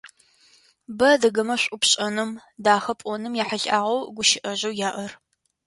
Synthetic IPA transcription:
bɐdɐɡɐmɐɕʷʼʊpɕʼɐnɨmdaːxɐpʼɔnɨmjaːħaɬʼʔaːʁɐwɡʷʊʃɪʔɐʑɐwjaːʔɐr

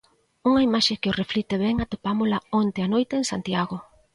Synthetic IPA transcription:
uŋaimaʃekeʊreflit̪eβɛŋat̪opamolaont̪eanojt̪eːŋsant̪jaɣo

